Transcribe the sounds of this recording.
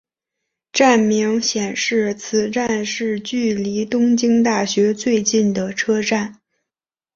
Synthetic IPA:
ʈ͡ʂa˥˩nmi˧˥ŋɕjɛ˨˩nʂɻ̩˥˩t͡sʰɹ̩˨˩ʈ͡ʂa˥˧nʂɻ̩˥˧t͡ɕy˥˩li˧˥t̪ʊ˥ŋt͡ɕi˥ŋt̪a˥˩ɕɥɛ˧˥t͡swe˥˧ɪt͡ɕi˥˩nd̪ə˩ʈ͡ʂʰɤ˥ʈ͡ʂa˥˩n

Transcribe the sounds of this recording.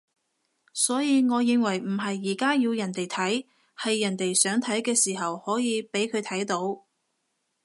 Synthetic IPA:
sɔː˨˥jiː˨˧ŋɔː˨˧jɪ˨˧ŋwɐ˨˩jm̩˨˩ɦɐ˨jːiː˨˩kaː˥jiː˧wjɐ˨˩nt̪e˨jt̪ʰɐ˨˥j | hɐ˨jːɐ˨˩nt̪e˨jsœː˨˥ŋt̪ʰɐ˨˥jkɛː˧siː˨˩ɦɐ˨whɔː˨˥jiː˨˧pe˨˥jkʰɵ˨˧ɥt̪ʰɐ˨˥jt̪o˨˥w

